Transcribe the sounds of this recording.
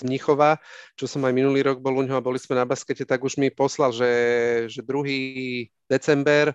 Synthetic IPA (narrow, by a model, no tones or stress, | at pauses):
zmɲixɔʋat͡ʃɔsɔmajminuliːɾɔɡ̚bɔluɲɦɔabɔlismɛnabaskɛcɛt̪aɡuʒmipɔslalʒɛʒɛd̪ɾuɦiː | d̪̥ɛt͡sɛmbɛɾ